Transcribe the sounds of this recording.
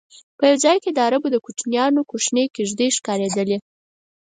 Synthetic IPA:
pəjawd͡zɑjked̪əaɾabod̪əkuʈ͡ʂnjɑnokoʃnekeʒd̪eʃkɑɾed̪əle

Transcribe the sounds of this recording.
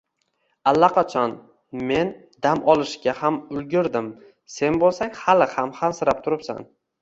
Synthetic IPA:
alːaqʰɑt͡ʃʰɒn | me̞n | d̪amʔɒlˠɪʃɡʲahamʊlɡʲɪɾd̪ɪm | se̞nbolˠsaŋhalɪhamhamsɪɾap̚t̪ʰʊɾɪpsa̰n

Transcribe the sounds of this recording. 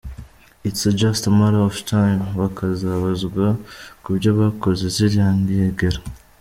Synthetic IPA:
isid͡ʒastmaɾoftʰajmβakazaβazɡwakubɟaβakozeziɾjaːŋɡieɡeɾa

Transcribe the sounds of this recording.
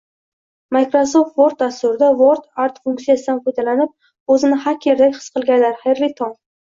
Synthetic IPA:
majkɾosoft̪voɾt̪̚d̪ast̪ʊɾɪd̪avoɾt̪aɾt̪fuŋkt̪sijasɪd̪anqojd̪alanɪp̚ | ɵzɪnɪhakʲʰeɾd̪akʲχɨ̥sqʰɨlˠɡʲanlaɾχejɾlɪt̪ʰɒŋ

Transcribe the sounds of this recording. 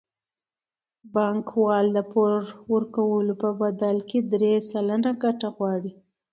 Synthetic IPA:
bɑŋkwɑld̪əpoɾwəɾkawəlopəbad̪alked̪ɾesalənaɡaʈaɣwɑɽi

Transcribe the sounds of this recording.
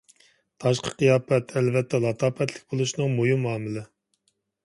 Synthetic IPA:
t̪ʰɑʃqʰə̥qijɑːpɛt̪ʰɛlvɛt̪ʰːɛlˠɑt̪ʰɑːpɛt̪ʰlɪk̚ʲbolˠuʃnɨŋmojumːɑːmɪlɪ

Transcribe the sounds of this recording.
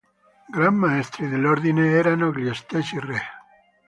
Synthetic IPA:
ɡɾamːaest̪ɾiðeloɾðineeɾanoɡliest̪esire

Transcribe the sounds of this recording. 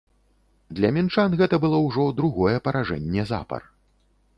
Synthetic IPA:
d̪lʲɐmʲint͡ʂanɣɛt̪ɐbɨlˠɔwʐɔd̪ɾuɣɔjɛpɐɾaʐɛ̰nʲːɛza̰pɐ̰r

